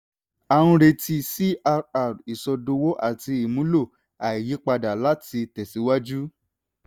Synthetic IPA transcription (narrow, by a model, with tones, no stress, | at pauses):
a˨w̃ũ˧ɾe˧ti˧si˦a˧a˨ɾi˨sɔ˧do˧wo˦ʔa̰˦˨ti˧i˨mũ˨˦lo˦˨ | a˨i˨ji˨˦k͡pa˧da˨la˦ti˧tɛ˨si˨˦wa˦d͡ʒu˦